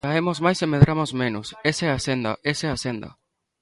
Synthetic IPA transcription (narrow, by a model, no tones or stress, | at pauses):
aemozmajsemeðɾamozmẽnoseseɛasend̪ɐ̰ʔeseasend̪ɐ̰